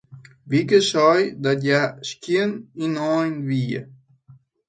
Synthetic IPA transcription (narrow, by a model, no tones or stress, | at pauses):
vikəʃɔjd̪aɟaʃkʲininɔjnviə̰